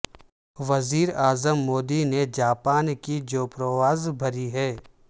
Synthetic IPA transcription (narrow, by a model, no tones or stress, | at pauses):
ʋɐziːɾaːzəmːoːd̪ined͡ʒaːpaːnkid͡ʒoːpɾəʋaːzbʱɐɾiɦɛː